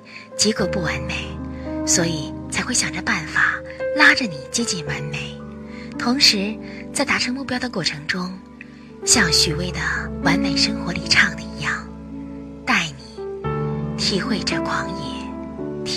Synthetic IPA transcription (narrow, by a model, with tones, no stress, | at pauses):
t͡ɕji˧˥kɤ˧˩pu˥˩wa˧˥nme˨˩˦ɪswɔ˧˥i˨˩t͡sʰa˧˥ɪxwe˥˩ɪɕjɑ˨˩ʈ͡ʂə˧˦pa˥˩nfa˨˩la˥ʈ͡ʂə˨ni˨˩t͡ɕjɛ˥t͡ɕi˥˩nwa˧˥nme˨˩˦ɪt̪ʰʊ˧˥ŋʂɻ̩˧˥t͡sa˥˩ɪt̪a˧˥ʈ͡ʂʰɤ˧˥ŋmu˥˩pjɑ˥ʊd̪ə˨kwɔ˥˩ʈ͡ʂʰɤ˧˥ŋʈ͡ʂʊ˥ŋ | ɕjɑ˥˩ŋɕy˨˩we˥˩ɪd̪ə˩wa˧˥nme˨˩ɪʂɤ˥ŋxwɔ˧˥li˨˩ʈ͡ʂʰɑ˥˩ŋd̪ə˩i˧˥jɑ˥˩ŋ | t̪a˥˩ɪni˨˩˦ | t̪ʰi˨˧˥xwe˥˧ɪʈ͡ʂə˥˩kʰwɑ˧˥ŋjɛ˨˥˩t̪ʰ